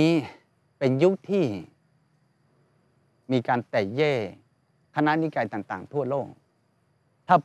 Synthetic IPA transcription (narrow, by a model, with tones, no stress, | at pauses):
iː˦˥ | pe˧nju˦˥k̚t̪ʰiː˥˩ | miː˧kaː˧nt̪ɛː˨˩jɛː˥˩ | kʰa˧na˦˥˨ni˦˧˥kaː˧jt̪aː˨˩ŋt̪aː˨˩ŋt̪ʰu˥˩ɐloː˥˩k̚ | t̪ʰaː˥˩